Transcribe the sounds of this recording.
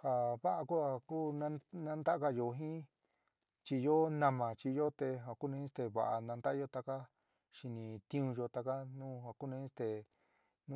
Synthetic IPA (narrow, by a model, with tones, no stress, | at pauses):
ha˨βa˦ʔa˧ku˦a˧kuː˦nã˦nã˦nd̪a˦a˦ka˧jo˧˨ɦĩ˦ | t͡ʃi˧jo˦nã˧mã˨t͡ʃi˧jo˦t̪e˧ɦa˧˨ku˦nã˧ĩ˦st̪e˧βa̰˧˨ʔa˧nã˧nd̪a˦ʔo˦t̪a˧ka˦ | ʃi˧nĩ˧t̪ĩ˦ũ˧jo˧t̪a˧ka˦nũː˦ha˨ku˦nã˧ĩ˦st̪e˨ | nũ˦